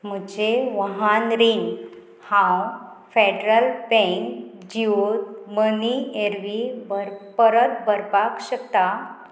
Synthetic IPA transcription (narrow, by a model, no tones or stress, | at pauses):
m̤əd͡ʑeʋəɦanɾin | hãw | feɖɾəlbɛ̃ŋk | d͡ʑiot̪mənieɾʋibəɾpəɾət̪bəɾpakɕəkt̪a